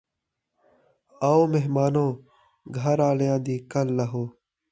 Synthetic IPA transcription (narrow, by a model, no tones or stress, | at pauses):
ɐomeɦmaːnõː | ɡʱɐɾaːljãːd̪iːkɐlːɐɦoː